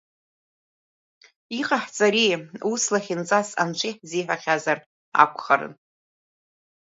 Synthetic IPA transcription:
iqʼaħt͡sʼaɾiuslaχʲint͡sʼasa̰nt͡ʃʷʰʼiħziħʷᶣaχʲazar | a̰kʷʰʼχaɾɨ̰n

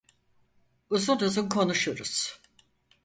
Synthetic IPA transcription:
uzunuzunkʰo̞nuʃuɾuz̥

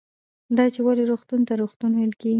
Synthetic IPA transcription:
d̪ɑt͡ʃewaleɾoxt̪unt̪aɾoxt̪unwajlkeɡi

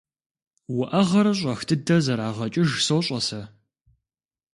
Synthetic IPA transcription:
wʊʔɐʁɐɾɐɕ̬ʷʼɐxtʰɨdɐzɐɾaːʁɐt͡ʃʼɪʒsowɕʼɐsɐ

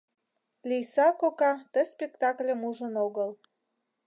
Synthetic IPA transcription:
lʲijsɑkokɑt̪ə̆spʲekt̪ɑklʲə̆muʒə̆noɣəl

